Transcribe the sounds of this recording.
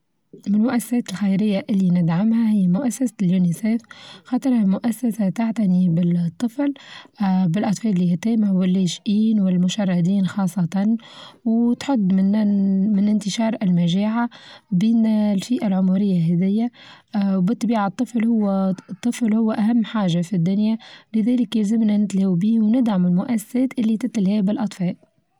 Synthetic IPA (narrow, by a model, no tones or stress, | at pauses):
mɪnmʊʔæsːḁsɛːt̪ɪlxajɾɪjːaʔɪlːinɪd̪ʕamhæhɪjːamʊʔasːasaljuːniseːfxɑːt̪ˤɨɾˤhamʊʔasːasat̪aʕt̪anibɪt̪ˤːɨfl | bɪlʔɑt̪ˤfɑːlɪlːiːhit̪ɛːmawɪlːeʃʔiːnwɪlmʊʃɑrˤːɑd̪iːnxɑːsˤːɑt̪ˤɑnwt̪ħʊd̪ːmɪnmɪnɪnt̪ɪʃɑːɾˤɪlmæʒɛːʕabiːnlfiːʔalʕʊmuɾɪjːaɦɛðɪjːawbɨt̪ˤːbiːʕat̪ˤːɨflhʊwːt̪ˤːɨflhʊwːʔæɦamːħaːʒafid̪ːʊnjalɪðɛːlɪkjlzɪmnanɪt̪lawbiːwnɪd̪ʕamɪlmʊʔæsːḁsɛːt̪ʔɪlːit̪ɪt̪ɪlhɛːbɪlʔɑt̪ˤfɑːl